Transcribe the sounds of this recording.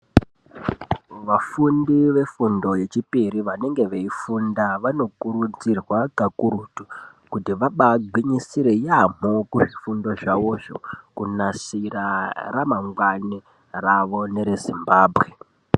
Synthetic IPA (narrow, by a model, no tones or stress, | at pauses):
ʋafundiʋe̞fundo̞je̞t͡ʃipiɾiʋane̞ŋɡe̞ʋeifundaʋano̞kuɾud͡zirwakakuɾuːtu | kutiʋaɓaɡʱwiɲisiɾe̞jam̤okuʐifundo̞ʐaʋo̞ʐo̞̰kunasiraramaŋɡwani | raʋo̞ne̞ɾezimbaːbʱɣe̞